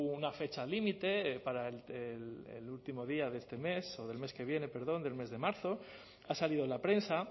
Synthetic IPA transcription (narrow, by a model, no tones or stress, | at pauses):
unafe̞t͡ʃalimit̪e̞paɾaelelḛlult̪imo̞ð̞iaðest̪e̞me̞so̞ð̞e̞lme̞ske̞β̞je̞ne̞pe̞ɾð̞o̞nd̪e̞lme̞zðe̞maɾθo̞ | asaliðo̞lapɾe̞nsa